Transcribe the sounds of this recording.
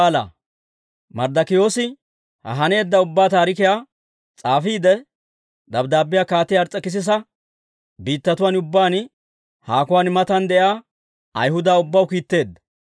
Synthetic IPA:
lɐ̰ | mɐɾd̪ɐkɪjo̞ːsɪ | hɐ̰ɦɐne̞ːd̪ːɐʊbːaːt̪aːɾɪkɪjaː | t͡sʼaːfiːd̪ɛ | d̪ɐbd̪aːbːɪjaːkaːt̪ːɪjɐɾt͡sʼːɐkɪs̬ɪs̬ɐ | biːt̪ːɐt̪ʊwaːnʊbːaːn | haːkʊwaːnmɐt̪ɐnd̪ɛʔjaː | ɐ̰jɦʊd̪aːʊbːɐwkiːt̪ːe̞ːd̪ːɐ̥

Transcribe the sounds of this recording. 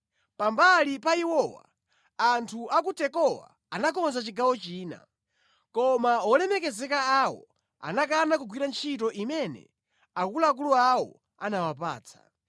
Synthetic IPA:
pambalipaiwɔwa̰ | antʰuʔakutɛkɔwa̰ | anakɔnzat͡ʃiɡawɔt͡ʃiːna̰ | kɔmaɔlɛmɛkɛzɛkaawɔ̰ | a̰nakaːnakuɡwiɾant͡ʃʰitɔʔimɛnɛ̰ | akulaːk̬uluawɔ̰ | anawap̬a̰ːt͡sʰḁ̰

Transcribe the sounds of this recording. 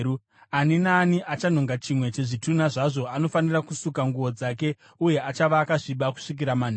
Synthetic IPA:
u | aninaːniʔat͡ʃan̤o̞ŋɡat͡ʃimwe̞t͡ʃe̞ʐitun̤aʐaʐo̞ano̞fanirakusukaŋɡuʋo̞d͡zake̞ | uje̞at͡ʃaʋaːkaʐiɓaku̥ʂik̬iɾaman̤

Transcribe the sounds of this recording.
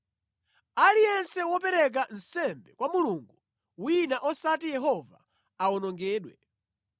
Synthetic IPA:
alijɛnsɛwɔpɛɾɛk̬an̩sɛmbɛkwamuluŋɡu | winaʔɔsatijɛɦɔva̰ | aɔnɔŋɡɛːɗwɛ

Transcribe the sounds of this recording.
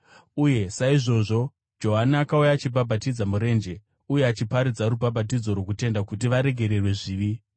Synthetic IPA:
uje̞saiʐo̞ʐo̞ | d͡ʒo̞ɦanaːkaujaːt͡ʃibʱabʱatid͡zamuɾe̞ːnd͡ʒe̞ | uje̞at͡ʃipaɾid͡zaɾubabʱat̬id͡zo̞rwo̞k̬ute̞ndakut̬iʋaɾe̞ɡʱe̞ɾe̞rwe̞ʐiːʋi

